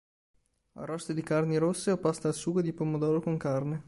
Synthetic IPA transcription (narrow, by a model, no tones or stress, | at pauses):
a̰rɔst̪ed̪ikarniɾosːeopast̪aːlsuːɡod̪ipomod̪ɔːɾokoŋkarne